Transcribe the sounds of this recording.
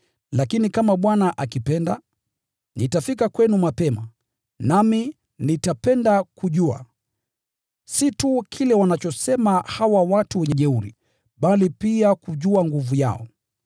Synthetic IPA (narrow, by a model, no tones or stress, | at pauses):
lakinikamaɓwanaʔakipɛnda | nitafikakwɛnumapɛma | nami | nitapɛndakuʄua̰ | situkʰilɛwanat͡ʃɔsɛmahawawatuwɛɲɛʄɛuɾḭ | ɓalipiakuʄuaŋɡuvuja̰ɔ̰